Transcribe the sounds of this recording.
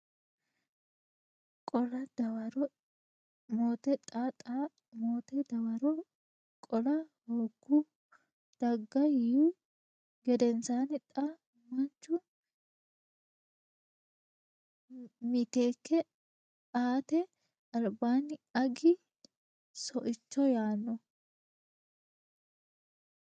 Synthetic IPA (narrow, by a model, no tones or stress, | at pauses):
kʼɔlɐd̪ɐwɐɾɔ | moːt̪ɛt̪ʼat̪ʼa | moːt̪ɛd̪ɐwɐɾɔ | kʼɔlɐhoɡːʊ | d̪̥ɐɡːɐju | ɡɛd̪ɛnsaːnɪt̪ʼa | mɐnt͡ʃːʊ | mɪt̪eːkːɛ | aːt̪ɛ | ɐlbaːnːɪɐɡɪ | sɔʔɪt͡ʃːɔjaːnːɔ